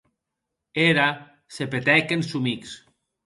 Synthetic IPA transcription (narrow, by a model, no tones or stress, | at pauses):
eɾa | sepet̪ɛkensumiks